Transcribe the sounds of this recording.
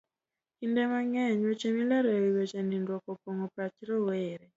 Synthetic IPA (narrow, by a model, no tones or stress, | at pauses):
indɛmaŋɛɲwot͡ʃemilaɾowiwet͡ʃanindwɔkɔpoŋɔpɾat͡ʃɾɔweːɾɛ